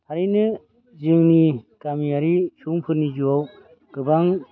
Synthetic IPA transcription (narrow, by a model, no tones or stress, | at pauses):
haɾinɯ | zɯŋnikamiaɾisuŋpʰɯɾnid͡ʒuaw | ɡ̥ɯbaŋ